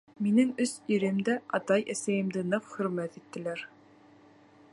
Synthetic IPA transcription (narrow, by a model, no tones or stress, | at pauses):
minɘŋɵsiɾɘmd̪æʔɑt̪ɑjʔæsæjɘ̆md̪ɘnɑfχɵ̆ɾmæt̪it̪ːɘ̆læɾ